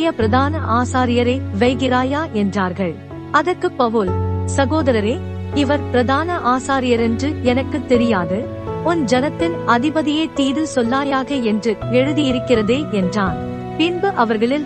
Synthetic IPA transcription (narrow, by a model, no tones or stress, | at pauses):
jɐpɪɾɐðaːnɐʔaːsaːɾɪjɐɾeːʋɐɪɣɪɾaːjaːʔɛndraːɾɣɐɭ | ɐðɐɾkɯpːɐʋɯlsɐɣoːðɐɾɐɾeː | ɪʋɐɾpɪɾɐðaːnɐʔaːsaːɾɪjɐɾɛndrɯɛnɐkːɯt̪ːɛɾɪjaːðɯ | ɔnd͡ʒɛnɐt̪ːɪnɐðɪbɐðɪjɐɪt̪iːðɪlsɔlːaːjaːɣɐɛndrɯɛɻɯðɪjɪɾɯkːɪrɐðeːʔɛndraːn | pɪnbɯʔɐʋɐɾɣɐɭɪl